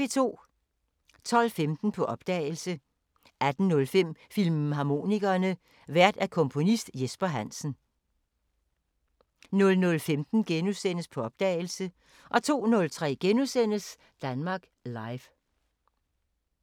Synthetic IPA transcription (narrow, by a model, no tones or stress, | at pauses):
et͡sʰo̝̰ː | t͡sʰɒ̽l̰femd̥n̩pʰɒ̽ʔɒ̽b̥d̥ɛ̰ːɪlsə | ʔæd̥n̩nɔ̽lfem̰filmɦɑ̈mo̝̰ːniɡ̥ɐːnə | ʋæɐ̰d̥ækʰɔ̽mpʰo̝nisd̥jesb̥ɐɦæn̰sn̩ | nɔ̽lnɔ̽lfemd̥n̩ɡ̥enusen̰əspʰɒ̽ɒ̽b̥̚d̥ɛ̰ːɪl̩sə | ʔɒ̽t͡sʰo̝̰ːnɔ̽lt͡sʰʁɛ̰ːɡ̥enusen̰əs | d̥ænmɑ̈ːɡ̥lɑ̈ɪf